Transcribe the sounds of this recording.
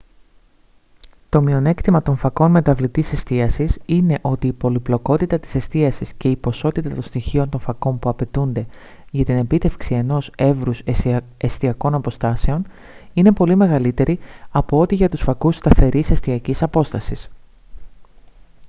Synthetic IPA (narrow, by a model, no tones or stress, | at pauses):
t̪o̞mio̞ne̞kt̪imɐt̪o̞ɱfɐko̞nme̞t̪ɐvlit̪ise̞st̪iɐsisine̞ʔo̞t̪iːpo̞liplo̞ko̞t̪it̪ɐt̪i̥se̞st̪iɐsisce̞ipo̞so̞t̪it̪ɐt̪onst̪içio̞nt̪o̞ɱfɐko̞mpuɐpe̞t̪und̪e̞ | ʝɐt̪ine̞pit̪e̞fksie̞no̞se̞vɾus | est̪iɐko̞nɐpo̞st̪ɐse̞o̞n | ine̞po̞lime̞ɣɐlit̪e̞ɾiɐpo̞o̞t̪iʝɐt̪usfɐkust̪ɐθe̞ɾise̞st̪iɐcisɐpo̞st̪ɐsis